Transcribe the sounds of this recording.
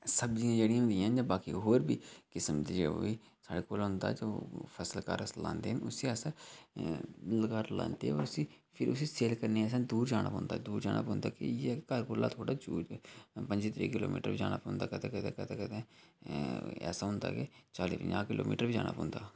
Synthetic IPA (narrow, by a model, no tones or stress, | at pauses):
səbd͡ʒiãːd͡ʒeːɽijãɦʊ̃nd̪iãənd͡ʒãːbaːkḭːɦoːɾbiːkɪsəmd̪iːd͡ʒeːo̰ːiː | saːɽeːkoːlɦʊ̃nd̪a̰ːd͡ʒoːpʰəsəlka̰ːɾəslã̰ːnd̪eːɦənʊsiːɛːsaː | ləɡaːɾlã̰ːnd̪ḛːɔ̰ːɾʊsiː | pʰɪɾʊsiːseːlkəɾneːɛːs̬ãːd̪uːɾd͡ʒaːɽ̃a̰ːpɔ̃nd̪aːd̪uːɾd͡ʒaːna̰ːpõːnd̪aːkɪ̰jekəɾkoːla̰ːt̪ʰoːɽaːt͡ʃuːpə̃ɲd͡ʒiːt̪ɾḭːkɪlo̰ːmḭːʈəɾʋiːd͡ʒa̰ːna̰ːpːnd̪aːkət̪ẽːkət̪ẽːkət̪ẽːkət̪ẽː | ɛ̰ːsaːɦʊ̃nd̪a̰ːket͡ʃaːlḭːpə̰ɲãːkɪlo̰ːmḭːʈəɾʋiːd͡ʒa̰ːna̰ːpõːnd̪a̰ː